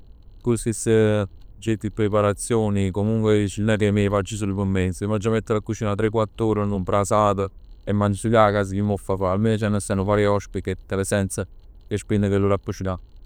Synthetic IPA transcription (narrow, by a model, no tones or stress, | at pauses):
kusisəd͡ʒet̪ːipːɾepaɾat̪sːjoːnikomuŋkwet͡ʃilnɛɾiemefad͡ʒis̬ulːpəmːensimad͡ʒamet̪ːəlakːut͡ʃiːnat̪ɾekːwat̪ːuːɾənːumpɾasaːt̪əemːansilakas̬ikimɔfːafalmet͡ʃɛnːəsɛnuvaːɾjiɔʃpikːet̪ːəlesɛnt̪sə | kespinːəkelːuɾapːuʃila